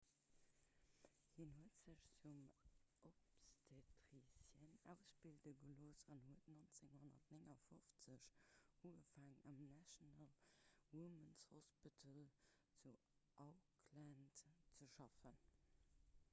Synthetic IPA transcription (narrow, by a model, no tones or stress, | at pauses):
hinhuətz̥əɕt͡sumʔopstʰetʁisjɛnæʊsbildəɡəloːsɑnhuətnont͡seŋhonɐ̰tneŋɐfoft͡səɕhuəfaːŋɑmnæʃonalwumənshɔspitʰəlt͡su | ʔaʊkʰlæntt͡səʃɑfən